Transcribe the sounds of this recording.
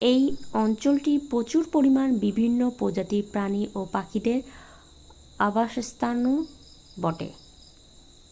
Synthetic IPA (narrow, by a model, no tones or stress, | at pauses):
ejɔnt͡ɕolʈipɾot͡ɕuɾpoɾimanbibʱinːopod͡ʑat̪ipɾaniʔopakʰid̪eɾ | abaʃst̪ʰanu | bɔʈḛ